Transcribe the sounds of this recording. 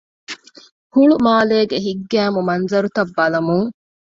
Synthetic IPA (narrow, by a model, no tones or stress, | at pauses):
huɭumaːleːɡeɦiɡːæːmumɐnzɐɾut̪ɐbːɐlɐmuŋ